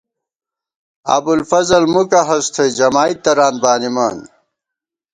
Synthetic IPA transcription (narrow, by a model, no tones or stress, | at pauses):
ɐ̰bulfɐzɐlmukɐɦɐst̪ʰɐd͡ʑɐmaːit̪ːɐɾaːn̚baːnimaːn